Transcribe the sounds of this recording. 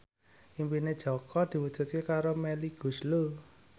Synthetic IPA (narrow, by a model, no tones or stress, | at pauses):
ʔimpined̥ʒ̥ɔ̤kʰɔd̪̥i̤wud̥ʒ̥ṳt̪̚kekaɾomɛliɡ̥ṳslu